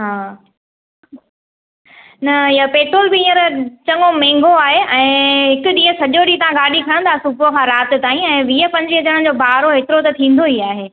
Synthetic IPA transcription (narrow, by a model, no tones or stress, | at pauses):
ɦaː | nɐɪjapeːt̪ʊːlbɪĩːə̃ɾɐt͡ɕɐŋomɛ̃ːŋɡʱoaːɦeʔɛ̃ːɦɪkʊɗĩːɦə̃sɐʄoɗit̪ɐʋ̤ãɡaːɗikʰɐɽ̃ə̃nt̪ʰasubokʰãːɾaːt̪ɪ̆t̪aːĩɛ̃ːʋiːəpɐ̃ɲd͡ʑiəd͡ʑəɽ̃ə̃n̆d͡ʑoːbʱaːɾoɦeːt̪ɪɾot̪ɐt̪ʰĩːn̆d̪oiːaːɦeː